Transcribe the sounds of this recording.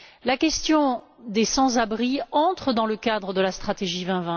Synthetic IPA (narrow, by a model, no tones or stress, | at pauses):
lakʲɛst̪jɔ̃ | d̪esɑ̃zabʁiɑ̃t̪χəd̪ɑ̃ləkad̪ʁəd̪əlast̪χat̪eʒivɛ̃vɛ̃